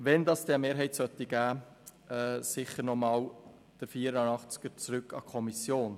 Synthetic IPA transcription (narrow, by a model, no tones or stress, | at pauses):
ʋɛnd̪ɑːsd̥ɛəmeːɾɦɛɪtsœt̪ːiɡ̥æː | ɛsɪχəɾnɔmɑːl | d̥əfiːəɾənɑχt͡sɡ̥əɾt͡sɾʏkʰːɑ̰kʰɔmisjoːn